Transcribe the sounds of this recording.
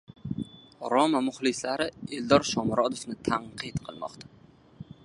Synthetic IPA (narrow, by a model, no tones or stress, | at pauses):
ɾɒmamʊχlˠɪslaɾɪeld̪ɒɾʃɒmɾʔɒd̪ofnɪt̪ʰaɴqʰɨt̪qʰɨlˠmɒ̰qt̪ʰḁ